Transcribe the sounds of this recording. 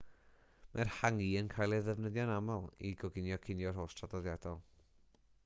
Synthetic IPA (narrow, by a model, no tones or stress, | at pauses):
marhaŋiːənkʰaːjlˠɛðɛvnəðjɔnamɔlˠḭɡɔɡɪnjɔkʰɪnjɔrɦoːstʰradɔðjadɔlˠ